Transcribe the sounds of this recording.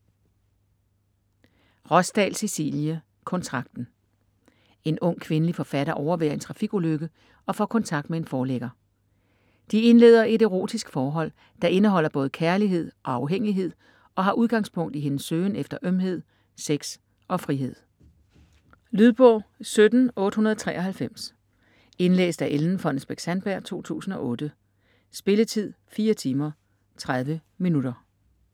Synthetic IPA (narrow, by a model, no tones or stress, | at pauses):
ʁɒ̽sd̥ɛ̰ːlsisḭːljə | kʰɒ̽nt͡sʰʁɑ̈ɡ̥̚d̥n̩ | e̝nɔ̽ŋ̰kʰʋe̝nəlifɒ̽fæɾɐʔɒʊɐʋeɐe̝nt͡sʰʁɑ̈fiɡ̥uløɡ̥ə | ɒ̽fɒ̰ːkʰɒ̽nt͡sʰɑ̈ɡ̥d̥mee̝nfɒːleɡ̥ɐ | d̥ie̝nle̝̰ːðˠɐe̝ɾe̝ʁo̝̰ːd̥isɡ̥fɒːɦɒ̽l̰ | d̥ɑ̈ʔe̝nəɦɒ̽l̰ɐb̥ɔ̽ːð̞̩ˠkʰæɐliɦe̝ð̞̰ˠɒ̽ɑ̈ʊɦeŋ̰iɦe̝ð̰ˠ | ɒ̽ɦɑ̈ʔuð̞ˠɡ̥ɑ̈ŋ̰spʰɔ̽ŋ̰d̥iɦenəsːøːnefd̥ɐʔømɦe̝ð̞̰ˠ | seɡ̥s | ɒ̽fʁiɦe̝ð̞̰ˠ | lyð̞ˠb̥ɔ̰ːsød̥n̩ɔ̽ːd̥ə̥hunɐð̞ˠɒ̥t͡sʰʁɛ̰ːʔɒ̽ɦælfem̰s | e̝nlḛːsd̥æʔeln̩fɒ̽nəsb̥eɡ̥sænb̥æɐ̰t͡sʰo̝̰ːt͡sʰṵːsn̩ɒ̽ʔɔ̽ːd̥ə | sb̥e̝lət͡sʰið̞̰ˠfiːɐt͡sʰiːmɐ | t͡sʰʁað̞ˠʋəminud̥ɐ